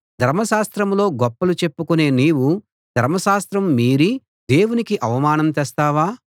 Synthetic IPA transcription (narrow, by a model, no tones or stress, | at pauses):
d̪ʱɐɾmɐʃaːst̪ɾɐmlo̞ːɡɔpːɐlut͡ʃe̞pːukune̞ːniːwu | d̪ʱɐɾmɐʃaːst̪ɾɐmːiːɾi | d̪e̞ːwunikiʔɐʋɐmaːnɐmt̪ɛːst̪aːʋaː